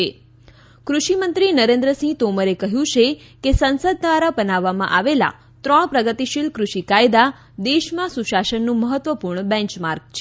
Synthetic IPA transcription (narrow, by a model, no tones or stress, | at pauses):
e | kɾuʃimənt̪ɾinəɾẽnd̪ɾəsĩt̪oməɾekəɦjũt͡ʃʰe | kesənsəd̪̚ːʋaɾabənaʋːamã̰ʔaʋela̰ | t̪ɾɔɽpɾəɡət̪iʃilkɾuʃikajd̪a | d̪eʃmãsuʃaʃənːũməɦət̪ʋəpuɾɳbɛ̃ɲt͡ʃmaɾk̚t͡ʃʰe